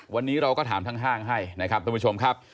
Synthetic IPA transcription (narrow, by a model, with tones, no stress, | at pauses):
wa˧nːiː˦˥ɾa˧wkɔː˥˩t̪ʰaː˩˦t̪ʰa˦˥ŋɦaː˥˩ŋɦa˥˩jna˦˥˩kʰa˦˥t̪ʰuː˧˩pʰu˥t͡ɕʰo˧mkʰa˦˥p̚